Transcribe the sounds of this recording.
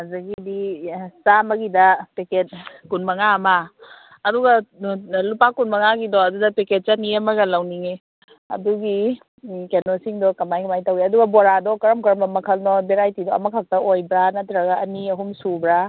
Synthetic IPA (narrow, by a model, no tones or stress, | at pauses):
azɐɡidisamɐɡidɐpeket̚kunmɐŋaɐmaː | duɡalupakunmɐŋaɡidɔɐdudɐpeket̚t͡ʃɐniɐmɐɡɐlawniŋe | ɐ̰duɡi | kenosiŋdɔkɐmajkɐmajtaweɐduɡɐboɾadɔkɐɾɐmkɐɾɐmɐmɐkʰɐlnɔbeɾajtidɔɐ̰mɐkʰak̚tɐojbɾanatɾaɡaːniɐɦumsubɾa